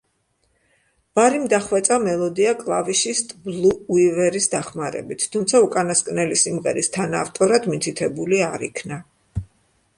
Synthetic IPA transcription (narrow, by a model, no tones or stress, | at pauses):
vaɾimd̪aχwɛt̪sʼamɛlˠɔd̪iakʼlˠaviʃist̪ʼblˠuːivɛɾisd̪aχmaɾɛ̰bit̪ʰt̪ʰumt̪sʰaukʼanaskʼnɛlisimʁɛ̰ɾist̪ʰanaft̪ʼɔɾad̪mit̪ʰit̪ʰɛbuliaɾḭkʰna